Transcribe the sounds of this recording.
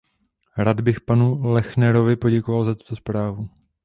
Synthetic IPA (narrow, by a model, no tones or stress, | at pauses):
ɾad̪bɪxpanulɛxnɛɾo̞vɪpo̞ɟɛkovalzat̪u̥t̪o̞spɾaːvu